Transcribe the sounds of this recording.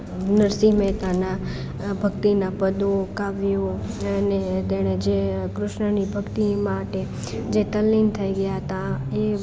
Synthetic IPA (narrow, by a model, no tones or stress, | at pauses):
nəɾsimɛt̪ana | bʱəɡ̚t̪inapəd̪okaʋjo | net̪eɽ̃ed͡ʒekɾʊʃɳənibʱəkt̪imaʈe | d͡ʒet̪əlːint̪ʰəiɡəjaɦət̪ae